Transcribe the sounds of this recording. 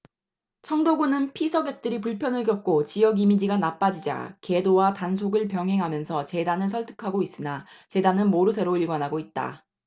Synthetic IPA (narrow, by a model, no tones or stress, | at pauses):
t͡ɕʰʌŋdoɡunɯnpʰisʰʌɡe̞k̚t͈ɯɾipuɭpʰjʌnɯɭkjʌk̚k͈ot͡ɕijʌɡimid͡ʑiɡanap͈ad͡ʑid͡ʑa̰ke̞dowatans̬ʰoɡɯɭpjʌŋɦe̞ŋɦamjʌnsʰʌt͡ɕe̞danɯɭsʰʌɭtʰɯ̥kʰaɡois͈ɯnat͡ɕe̞danɯnmoɾɯsʰe̞ɾoiɭɡwanɦaɡoit̚t͈a̰